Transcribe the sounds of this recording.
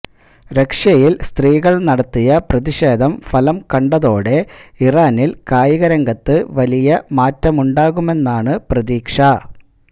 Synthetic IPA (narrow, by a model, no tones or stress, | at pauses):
ɾe̞kʂɐjilst̪riːɣɐɭnɐɽɐt̪ːijɐprɐðiɕe̞ːd̪ʱɐmfɐlɐmkɐɳɖɐðo̞ːɽe̞iraːnilkaːjiɣɐɾɐŋɡɐt̪ːɨʋɐlijɐmaːtːɐmuɳɖaːɣume̞nːaːɳɨprɐðiːkʂɐ